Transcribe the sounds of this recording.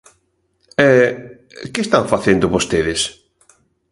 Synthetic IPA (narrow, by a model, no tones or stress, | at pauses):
ɛ | kɪest̪aŋfaθend̪ʊβost̪eðɪs